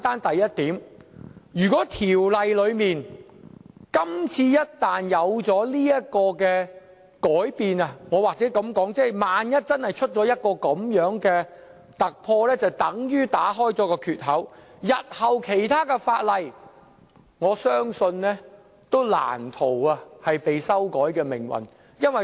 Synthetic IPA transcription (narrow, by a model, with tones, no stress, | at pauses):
t̪aː˥nt̪ɐ˨jːɐ˥t̚t̪iː˨˥m | jyː˨˩kɔː˨˥t̪ʰiː˨˩wlɐ˨jlɵ˨˧ɥmiː˨n | kɐ˥mt͡sʰiː˧jɐ˥t̚t̪aː˨njɐ˨˧wt͡sɔː˨˥liː˥jɐ˥t̚kɔː˧kɛː˧ | kɔː˨˥jpiː˨nɐ˧ŋɔː˨˧waː˨k̚t͡sɛː˨˦˥kɐ˨˧mkɔː˨˥ŋt͡sɛː˥˩jmaː˨njɐ˥t̚t͡sɐ˥nhɐ˨jt͡ʃʰɵ˥t̚t͡sɔː˨˥jɐ˥t̚kɔː˧kɐ˨˥mjœː˨˥ŋkɛː˧ | t̪ɐ˨k̚pʰɔː˧lɛː˥t͡sɐ˨wt̪ɐ˨˥ŋjyː˥t̪aː˨˥ɦɔː˥jt͡sɔː˨˥kɔː˧kʰyː˨t̚ɦɐ˨˥w | jɐ˨t̚hɐ˨wkʰe˨˩jt̪ʰaː˥kɛː˧faː˧t̚lɐ˨j | ŋɔː˨˧sœː˥ŋsɵ˧nnɛː˥ | t̪o˥wla̰ː˨˩nt̪ʰo˨˩wɐ˧hɐ˨jpe˨jsɐ˥wkɔː˨˥jkɛː˧mɪ̰˨˩ŋwɐ̰˨˩n | jɐ˥nwɐ˨j